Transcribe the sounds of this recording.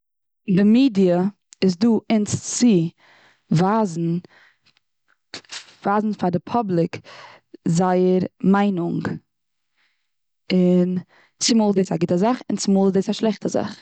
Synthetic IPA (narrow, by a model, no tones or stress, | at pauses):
dɪmiːdiə | ɪs̬duːɪnst͡sɪ | vaːzn̩ | v̥aːzn̩fadɪpʰɔblˠɪk | zaɪəɾmaɪnʊŋɡ | ɪn | sɪmuːlˠdeːsaɡɪtəzaχɪnsɪmuːlˠdeːsaʃlˠɛχtəza̰χ